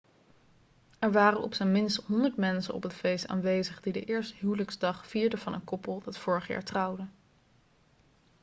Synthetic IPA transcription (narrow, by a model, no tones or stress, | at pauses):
ɛɹʋaːrənɔ̰psɛnmɪnstɦɔndəɹtmɛnsə̰nɔ̰pətfejsta̰ːnʋejzəχdidə̰ʔɪːɹstəɦywləkzdɑχfiːɹdəvɑnəŋkɔpəlˠdɑtfʊːɹəχja̰ːɹtrɑwdə